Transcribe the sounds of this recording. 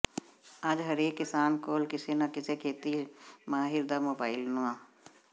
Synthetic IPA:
aːd͡ʒɦɐɾeːkːɪsaːnkoːlkɪsenakɪsekʰeːt̪imaːɦɪɾd̪amoːbaːɪlnuãː

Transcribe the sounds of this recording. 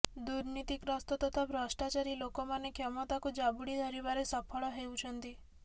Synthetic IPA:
d̪uɾnit̪ikɾɔst̪ɔt̪ɔt̪ʰapɾɔsʈat͡ʃaɾilokɔmanekʰjɔmɔt̪akud͡ʒabuɽid̪ʱɔɾibaɾesɔpʰɔɭɔɦewt͡ʃʰɔnt̪i

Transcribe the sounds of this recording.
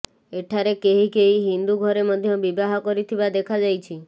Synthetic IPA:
eʈʰaɾekeɦikeɦiɦind̪uɡʱɔɾemɔd̪ʱjɔbibaɦɔkɔɾit̪ʰibad̪ekʰad͡ʒajt͡ʃʰi

